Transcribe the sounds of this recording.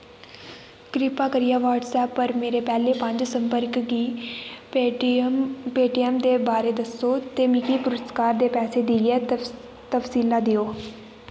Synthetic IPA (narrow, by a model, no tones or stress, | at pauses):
kɾɪpaːkəɾɪjaːʋaːʈsɛːpːəɾmeːɾeːpɛːleːpə̃ɲd͡ʒsə̃mpəɾkɡiː | peːʈijɛmd̪eːbaːɾeːd̪əsːoːt̪eːmɪkiːpʊɾət̪kaːɾd̪eːpɛːseːd̪ɪiɛː | t̪əfsiːlaːd̪ɪjoː